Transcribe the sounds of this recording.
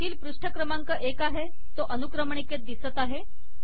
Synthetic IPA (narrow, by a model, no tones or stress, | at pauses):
t̪iːlpɾuʂʈʰəkɾəmaŋkəʔekaɦe | t̪oʔənukɾəmɳiket̪̚d̪isət̪aɦe